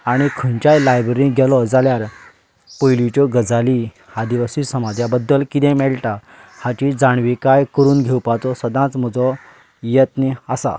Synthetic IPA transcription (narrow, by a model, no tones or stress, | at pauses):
aɽ̃ikʰənt͡ɕajlajbɾeɾĩɡʱɛlɔd͡zaljaɾ | pəjlit͡ɕɔɡəd͡zali | had̪iʋəsisəmad͡z̪ʱjabəd̪ːəlkit̪ɛ̃mɛɭʈ̪a | hat͡ɕid͡zaɳ̃ʋikajkəɾuːnɡʱewpat͡sɔsəd̪ʱãt͡sm̤ɔd͡zɔ | jet̪niasa̰